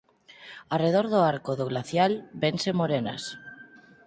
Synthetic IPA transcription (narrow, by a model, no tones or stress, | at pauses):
areð̞oɾðoaɾkoðoɣlaθjalbensemoɾena̰s